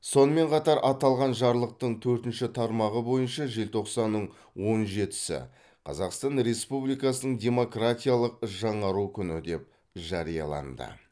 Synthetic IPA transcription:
so̞nəme̞ɴqʰɑt̪ɑɾʔɑt̪ɑlˠʁɑnʒɑɾlˠəq̚t̪əɴt̪ʰɵɾt̪ɪnʃɪt̪ʰɑɾmɑʁəbo̞jənʃɑʒe̞lt̪ʰo̞qsɑnːəɴ | wo̞nʒe̞t̪ɪ̥sɪ̰ | qʰɑ̰zɑqst̪ɑnɾe̞spublijkɑsənəɴdʲe̞mo̞krat̪ʲijalˠəq̚ʒɑɴɑɾukʲʰʏnɪd̪e̞p̚ | ʒɑɾijɑ̰lˠɑ̰nd̪ə̰

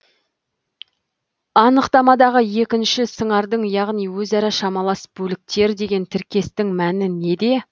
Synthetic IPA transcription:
ɑnəqt̪ɑmɑd̪ɑʁəje̞kʲɪnʃɪsəɴɑɾd̪əɴjɑʁnijwɵzɑɾɑʃɑmɑlˠɑsb̥ɵlɪk̚t̪e̞ɾd̪e̞ɡʲe̞nt̪ʰɪɾkʲe̞st̪ɪŋmænɪne̞d̪e̞

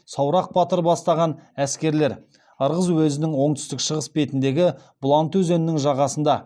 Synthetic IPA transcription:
sɑwɾɑq̚bɑt̪əɾbɑst̪ɑʁɑnæskʲe̞ɾle̞ɾ | əɾʁəzwɵzɪnɪŋwo̞ɴt̪ʏst̪ɪkʃəʁəsbe̞t̪ɪnd̪e̞ɡʲɪ | b̥lˠɑnt̪wɵze̞nɪnɪŋʒɑʁɑsənd̪ɑ

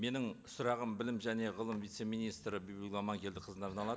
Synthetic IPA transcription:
me̞nɪŋ | sʊɾɑʁəmbɪlɪmʒæne̞ʁəlˠəmvijt̪se̞mijnijst̪ɾəbijbʲiɡʲɑmɑŋkʲʰe̞ld̪ɪqʰəzənɑɾnɑlˠɑd̪ə

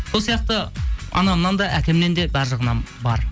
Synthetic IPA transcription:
bolˠsijɑq̚t̪əɑ̰nɑmnɑnd̪ɑʔækʲe̞mne̞nd̪e̞bæɾʒəʁnɑmbɑɾ

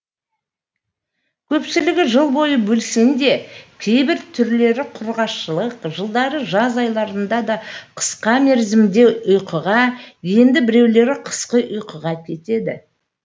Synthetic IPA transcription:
kʲʰɵpsɪlɪɡʲɪʒəlˠbo̞jəbɵlsend̪e̞kʲʰe̞jbɪɾt̪ʰʏɾle̞ɾɪqʰʊɾʁɑʃəlˠəqʒəlˠd̪ɑɾəʒɑzɑjlˠɑɾənd̪ɑd̪ɑqʰə̥sqɑme̞ɾzɪmd̪e̞ʊjqəʁɑje̞nd̪ɪbɪɾe̞wle̞ɾɪqʰə̥sqəʔʊjqəʁɑkʲʰe̞t̪e̞d̪ɪ̰

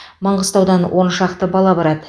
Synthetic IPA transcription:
məɴʁəst̪ɑwd̪ɑnwʔonʃɑqt̪əbɑlˠɑbɑɾɑd̪ə

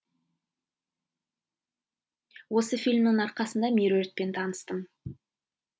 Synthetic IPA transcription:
wo̞səfilʲmnəŋɑɾqɑsənd̪ɑmeɾoɾet̪̚pe̞nt̪ʰɑnəst̪əm

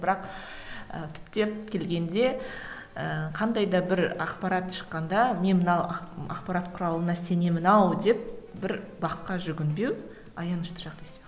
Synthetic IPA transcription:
bɪɾɑq | ə̰t̪ʰʏ̥pt̪e̞pkʲʰe̞lɡʲe̞nd̪e̞ | əqʰɑnd̪ɑjd̪ɑbɪɾɑqpɑɾɑt̪ʃə̥qːɑnd̪ɑme̞nmənɑwɑ̰qpɑɾɑt̪qʰʊɾɑlˠənɑse̞ne̞mɪnɑwd̪e̞p̚bɪɾbɑqːɑʒʏɡʲɪnbe̞w | ɑjɑnəʃt̪ə̥ʒɑqt̪ɑjsɑ

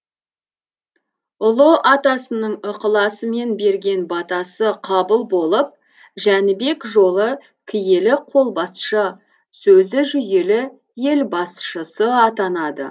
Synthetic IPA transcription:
ʊlˠəʔɑt̪ɑsənəɴəqəlˠɑsəme̞nbe̞ɾɡʲe̞nbɑt̪ɑsəqʰɑbəlˠbo̞lˠəp̚ | ʒænɪbe̞kʒo̞lˠə | kʲʰɪje̞lɪqʰo̞lˠbɑsʃə | sɵzɪʒʏje̞lɪ | je̞lbɑsʃəsəɑt̪ɑnɑd̪ə̰

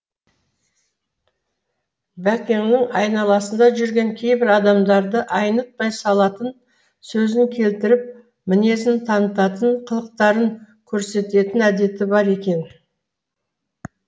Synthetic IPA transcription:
bækʲeŋnɪŋɑjnɑlˠɑsənd̪ɑʒʏɾɡʲe̞ŋkʲʰe̞jbɪɾɑd̪ɑmd̪ɑɾd̪əʔɑjnət̪̚pɑjsɑlˠɑt̪ən | sɵzɪŋkʲʰe̞lt̪ɪɾɪp̚ | mɪne̞sɪnt̪ʰɑnət̪ɑt̪əɴqʰəlˠəq̚t̪ɑɾəŋ | kʲʰɵɾse̞t̪e̞t̪ɪnæd̪e̞t̪ɪbɑɾe̞kʲe̞n

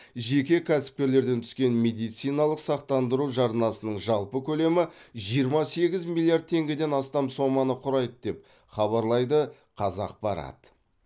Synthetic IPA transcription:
ʒe̞kʲe̞kʲʰæsɪ̥p̚kʲe̞ɾle̞ɾd̪e̞nt̪ʰʏ̥skʲe̞nme̞d̪ijt̪sijnɑlˠəqsɑqt̪ɑnd̪əɾuʒɑɾənɑsənəɴʒɑlˠpəkʲʰɵle̞mɪʒijəɾmɑse̞ɡʲɪzmʲilʲˠːijaɾd̪̚t̪ʰe̞ŋɡʲɪd̪e̞nɑst̪ɑmso̞mɑnəqʰʊɾɑjd̪əd̪e̞p̚ | χɑβɑɾlˠɑjd̪ə | qʰɑzɑ̰q̚bɑɾɑ̰t̪ə

